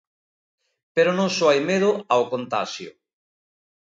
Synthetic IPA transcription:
peɾonõŋsoajmeðʊaokont̪a̰ʃjʊ̰

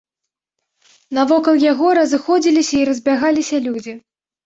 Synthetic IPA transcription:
nɐvɔkɐlˠjaɣɔɾɐzɨxɔd͡zʲilʲisʲɐiɾɐzʲbʲaɣalʲisʲɐlʲud͡zʲi

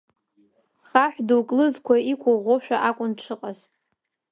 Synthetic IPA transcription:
χaħʷᶣduwkʼlɨzkʷʰaikʷʰaʁʷoʃᶣaʔakʷʼʊnʈ͡ʂʰɨqʼaz

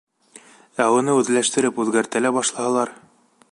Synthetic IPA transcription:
æwŭnɤʉðlæʃt̪ɘ̆ɾɘpʉðɡæɾt̪ælæbɑʃlˠɑhɑ̆lˠɑɾ

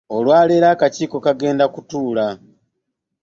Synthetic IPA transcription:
o̞lwaːleɾaːkaciːko̞kaɡe̞ːndakutuːla

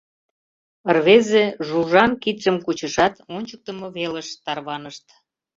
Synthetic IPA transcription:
ərβezeʒuʒɑnkit̪ʃəmkut͡ɕəʃɑt̪onʲt͡ɕək̚t̪əmɤβeləʃt̪ɑrβɑnəʃt̪

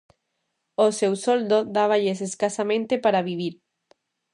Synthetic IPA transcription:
osewsold̪od̪aβ̞aʎeseskasamẽnt̪epaɾaβiβ̞iɾ

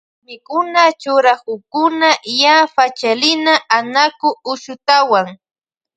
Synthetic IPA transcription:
mɪkʊnat͡ʃʊɾakʊkʊnajafat͡ʃalɪnaʔanakʊʊʃʊt̪awaŋ

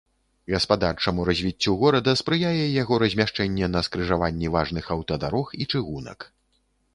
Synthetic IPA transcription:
ɣɐspad̪art͡ʂɐmuɾɐzʲvʲit͡sʲːuɣɔɾɐd̪ɐspɾɨjajɛjaɣɔɾɐzʲmʲaʂt͡ʂɛnʲːɛnɐskɾɨʐavanʲːɛvaʐnɨxɐwt̪ɐd̪aɾɔxit͡ʂɨɣunɐ̰k

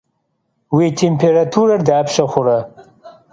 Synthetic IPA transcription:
wiːtʰempʰeɾatʰuɾɐrdaːpʰʃɐχʷʊɾɐ

